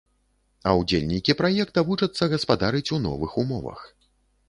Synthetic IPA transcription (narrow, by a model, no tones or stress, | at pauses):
ɐwd͡zʲelʲnʲikʲipɾajɛk̚t̪ɐvut͡ʂɐt̪sːɐɣɐspad̪aɾɨt͡sʲunɔ̰vɨxumɔvɐ̰x